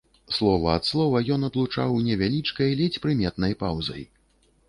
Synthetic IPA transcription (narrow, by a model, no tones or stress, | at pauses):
slˠɔvɐːt̪slˠɔvɐjɔn̪ɐd̪lˠut͡ʂa̰wnʲɛvʲalʲit͡ʂkɐjlʲɛt͡sʲpɾɨmʲɛt̪nɐjpawzɐ̰j